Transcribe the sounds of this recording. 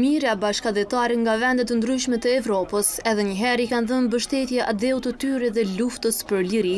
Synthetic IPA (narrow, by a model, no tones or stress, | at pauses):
miɾabaʃkaðɛt̪aɾɛŋɡavɛnd̪ɛt̪ənd̪ɾyʃmɛt̪əɛvɾɔpəsɛðɛɲəɦɛɾikanðənbəʃt̪ɛt̪jɛʔad̪ɛut̪ət̪yɾɛðɛluft̪əspəɾliɾi